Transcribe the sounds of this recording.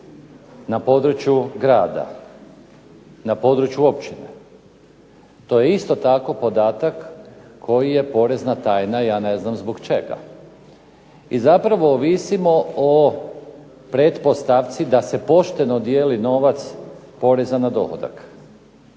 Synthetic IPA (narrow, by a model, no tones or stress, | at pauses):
napo̞d̪ɾut͡ʃjuɡɾaːd̪a̰ | napo̞d̪ɾut͡ʃjuopt͡ʃinḛ | t̪o̞ːje̞ist̪o̞t̪ako̞po̞d̪aːt̪akːʰ | o̞jije̞po̞ɾe̞znat̪aːjnajaːne̞znamzboɡt͡ʃe̞ɡa̰ | izapɾaʋo̞ːʋisimo̞o | pɾed̪po̞st̪aʋt̪sid̪ase̞po̞ʃt̪e̞nod̪je̞ːlino̞ʋat̪s | po̞ɾe̞zanad̪o̞̰xo̰d̪a̰k